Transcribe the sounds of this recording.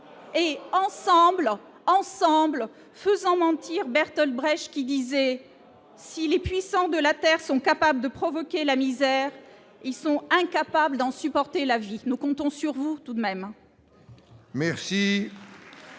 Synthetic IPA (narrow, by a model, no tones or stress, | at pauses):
eɑ̃sɑ̃bl | ɑ̃sɑ̃bl | fəzɑ̃mɑ̃t̪iʁbɛʁt̪ɔlbʁɛʃkʲid̪izɛ | silepɥisɑ̃d̪əlat̪ɛʁsɔ̃kapabləd̪əpχɔvɔkʲelamizɛʁ | ilsɔ̃ɛ̃kapabləd̪ɑ̃sypɔʁt̪elavinukɔ̃t̪ɔ̃syʁvut̪ud̪mɛm | mɛʁsi